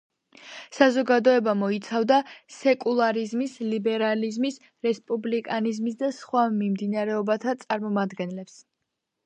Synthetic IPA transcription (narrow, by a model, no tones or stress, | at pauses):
sazɔɡad̪ɔɛbamɔit̪sʰavd̪asɛkʼulˠaɾizmislibɛɾalizmis | ɾɛspʼublikʼanizmisd̪asχwamimd̪inaɾɛɔbat̪ʰat̪sʼaɾmɔmad̪ɡɛnlɛps